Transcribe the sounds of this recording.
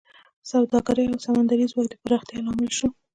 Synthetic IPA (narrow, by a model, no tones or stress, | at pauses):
sawd̪ɑɡaɾəjawsamand̪aɾizwɑk̚d̪epəɾaxt̪jelɑmɪlʃu